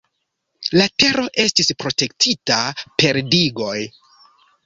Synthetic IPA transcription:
late̞ɾo̞ʔe̞stispɾo̞te̞ktʰitape̞ɾdiɡo̞j

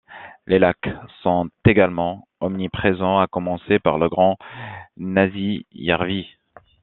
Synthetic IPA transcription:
lelaksɔ̃t̪eɡalmɑ̃ɔmnipχezɑ̃akɔmɑ̃sepaʁləɡʁɑ̃ | nazija̰ʁvi

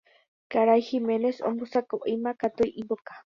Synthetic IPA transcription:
kaɾajximẽnesõ̰mbusakoʔemãkat̪ujʔibokḁ

